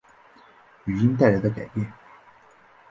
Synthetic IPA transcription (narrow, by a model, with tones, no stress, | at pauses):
y˨˩i˥ŋt̪̬a˥˩ɪla˧˥ɪd̪ə˧ka˨˩ɪpjɛ˥˩n